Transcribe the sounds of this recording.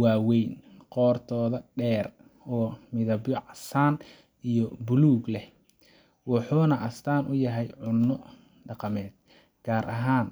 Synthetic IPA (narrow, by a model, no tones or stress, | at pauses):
waːwɛjnqɔːrt̪ʰɔːðɐɖɛːr | ɔːmɪðɐbjɔʕɑsaːn | ʔijɔbʊluːɡlɛh | wɑħuːnɐʔɐst̪ʰaːnʔʊjɐɦɛjʕʊnːɔ | ɖɑqɑmɛːd̪̥̚ | ɡ̥aːɾʔɐ̰ɦaːn